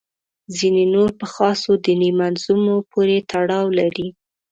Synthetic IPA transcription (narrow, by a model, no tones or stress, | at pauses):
zinenoɾpəxɑsod̪ənimanzumopʰoɾet̪ʰaɽɑwlaɾi